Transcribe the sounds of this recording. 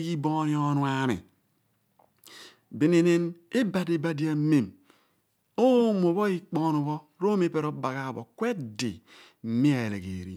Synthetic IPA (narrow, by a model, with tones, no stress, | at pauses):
ɡi˦boː˦ni˦o˦nu˨˦a˨mḭ˨ | bi˨ni˦ne˦ne˦ba˨di˨ba˨di˨a˨˦me˨m | o˦mo˨βɔ˦i˦k͡pɔ˦no˨βɔ˦ɾo˦me˦pe˦ɾo˦ba˨ɣa˨bo̰˨kwe˦dḭ˨˦ | mi˦a˨e˨lḛ˨ɡḛ˨ɾḭ˦